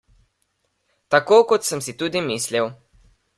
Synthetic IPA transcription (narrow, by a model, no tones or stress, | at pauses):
t̪akoːkɔt̪səmsit̪uːd̪imiːsliw